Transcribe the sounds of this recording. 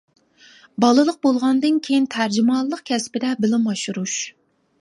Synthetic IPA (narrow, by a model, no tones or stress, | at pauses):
bɑlˠɨlˠəq̚bolˠʁɑnd̪ɨnkʲʰejint̪ʰæɾd͡ʒɪmɑlˠːəqkʲʰɛspɪd̪ɛbɪlɪmɑʃuɾuʃ